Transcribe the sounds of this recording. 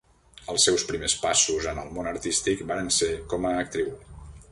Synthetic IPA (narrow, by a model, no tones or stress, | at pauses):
əlˠsːɛwspɾimespasuzəməlˠmonəɾt̪ist̪ikbaɾənsekɔməːk̚t̪ɾiw